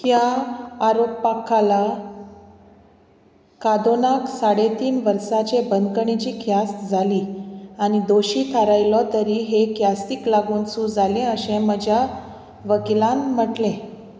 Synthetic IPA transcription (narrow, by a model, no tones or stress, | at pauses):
hjaːɾoppakʰːala | kad̪onaksaɽet̪iːnʋəɾsat͡ɕebənd̪kəɳit͡ɕiːkʰjast̪d͡zʱaliːañid̪oɕiːt̪ʰəɾajlɔt̪əɾiɦekjast̪iːklaɡuːnsuːd͡zalẽəɕẽməd͡ʑʱja | ʋəkilãnm̤əʈlẽ